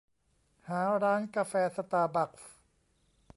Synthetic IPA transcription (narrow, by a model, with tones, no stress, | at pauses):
haː˩˦ɾaː˦˥nka˧fɛː˧˥sa˧t̪aː˧ba˨˩k̚f